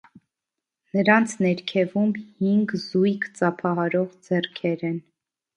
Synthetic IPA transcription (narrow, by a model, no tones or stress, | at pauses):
nəɾɑnt͡sʰnɛɾkʰɛvumhiŋɡzujkt͡sɑpʰɑɦɑɾɔʁd͡zɛrkʰɛɾɛn